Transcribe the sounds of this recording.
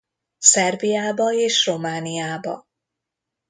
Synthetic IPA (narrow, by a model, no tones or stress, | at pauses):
sɛrbijaːbɒeːʃro̞maːnijaːbɒ̰